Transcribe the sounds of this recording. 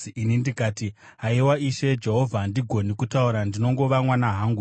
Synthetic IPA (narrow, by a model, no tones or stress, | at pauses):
inindikaːti | ɦaiwaiʃe̞d͡ʒe̞ɦo̞vʱandiɡʱo̞nikutauɾandino̞ŋɡo̞ʋamwanaɦaːŋɡu